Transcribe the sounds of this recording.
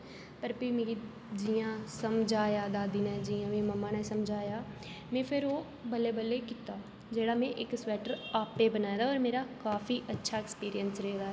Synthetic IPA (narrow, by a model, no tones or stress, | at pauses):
pəɾpiːmẽːi | d͡ʒɪjãːsəmd͡ʒaːjaːd̪aːd̪iːnɛ̃ːd͡ʒɪjãːʋẽːməmːaːnɛ̃ːsəmd͡ʒʱaːjaːmɛ̃ːpʰɪɾoː | bəlːeːbəlːeːkiːt̪aː | d͡ʒeːɽaːmɛ̃ːʔɪksʋɛːʈəɾaːpeːbənaːid̪aːɔːɾmeːɾaːkaːfiːʔətːʃʰaːɛkspiːɾijənsɾeːd̪aːɦɛː